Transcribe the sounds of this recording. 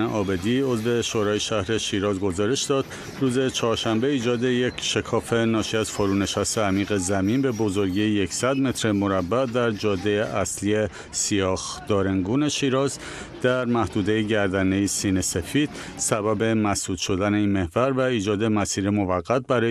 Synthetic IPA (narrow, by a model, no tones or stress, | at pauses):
eʔɒːbe̞d̪io̞zve̞ʃoɾɒːjeʃæhɾe̞ʃiːɾɒːzɡo̞zɒːɾe̞ʃd̪ɒːd̪̥ | ɾuːze̞t͡ʃʰɒːɾʃæmbe̞iːd͡ʒɒːd̪e̞je̞cʰʃe̞kʰɒːfe̞nɒːʃiæz̥foɾuːne̞ʃæst̪e̞æmiːɣe̞zæmiːnbe̞bo̞zo̞ɾɟiːje̞csæd̪me̞t̪ʰɾemo̞ɾæbːæd̪æɾd͡ʒɒːd̪ːejeʔæslie | sijɒːxd̪̥ɒːɾeŋɡuːne̞ʃiːɾɒːz | d̪̥æɾmæhd̪uːd̪ejeɟæɾd̪ænejisiːnese̞fiːd̪̥̚ | sæbæbe̞mæsd̪uːd̪̥ʃo̞d̪æne̞iːnme̞hvæɾvæiːd͡ʒɒːd̪e̞mæsiːɾemo̞væɣːæt̪̚bæɾɒːj